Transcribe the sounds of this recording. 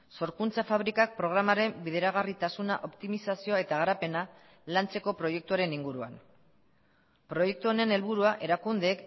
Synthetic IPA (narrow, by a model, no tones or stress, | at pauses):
so̞ɾkunt͡safaβ̞ɾikak̚pɾo̞ɣ̞ɾamaɾe̞mbiðe̞ɾaɣ̞arit̪asunaʔo̞pt̪imisasio̞ae̞t̪aɣaɾape̞na | lant͡se̞ko̞pɾo̞je̞k̚t̪uaɾe̞niŋɡuɾuan | pɾo̞je̞k̚t̪uone̞ne̞lβuɾuaʔe̞ɾakund̪eːk